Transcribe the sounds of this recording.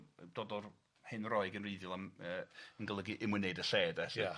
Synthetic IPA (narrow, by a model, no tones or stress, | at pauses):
d̥oːdɔr | hɨnrɔɨɡənriːðjʊlˠaməːənɡəlˠəɡiʔɪmwɨneɨdəseːdɛs